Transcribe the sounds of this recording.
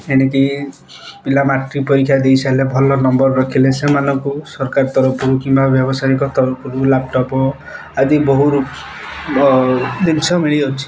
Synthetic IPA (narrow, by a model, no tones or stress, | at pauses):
eneki | pilamaʈɾipɔɾikʰjad̪ejsalebʱɔlɔnɔmbɔɾɾɔkʰilesemanɔŋkusɔɾkaɾt̪ɔɾɔpʰuɾukimbabjɔbɔsaikɔt̪ɔɾɔpʰuɾulap̚ʈɔpɔ | ad̪ibɔɦuɾu | d̪insʰɔmiɭiot͡ʃʰi̥